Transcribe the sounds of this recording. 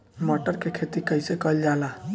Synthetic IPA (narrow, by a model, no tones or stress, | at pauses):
mɔʈəɾkekʰet̪ikəɪsekəld͡ʒaːla